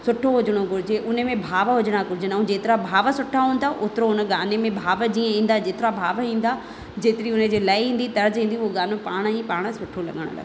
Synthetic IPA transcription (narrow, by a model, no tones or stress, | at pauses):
sʊʈʰoɦʊd͡ʑəɽ̃oɡʱʊɾɪd͡ʑeʔʊnəmẽbʱaːʋɦʊd͡ʑəɽ̃akʊɾɪd͡ʑənũd͡ʑeːt̪ɪɾabʱaːʋəsʊʈʰaɦũːn̆d̪aʔʊt̪ɾoʊnəɡaːnemẽbʱaːʋəd͡ʑiːə̃ĩːn̆d̪ad͡ʑeːt̪ɪɾabʱaːʋɦĩːn̆d̪a | d͡ʑeːt̪ɪɾiʊnəd͡ʑeːlaːiɦĩːn̆d̪it̪ɐɾəzɦĩːn̆d̪ioɡaːnopaːɽ̃ɦipaːɽ̃sʊʈʰolɐ̰ɠəɽ̃ʊ̰lɐ̰ɡ